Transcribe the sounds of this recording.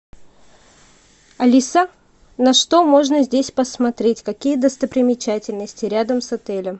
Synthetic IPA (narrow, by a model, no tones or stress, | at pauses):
ɐlʲisa | nɐʂt̪omo̞ʐnəzʲdʲesʲpəsmɐt̪ɾʲetʲkɐkʲijəd̪əst̪əpɾʲɪmʲɪt͡ɕætʲɪlʲnəsʲtʲɪɾʲad̪əmsɐt̪ɛlʲəm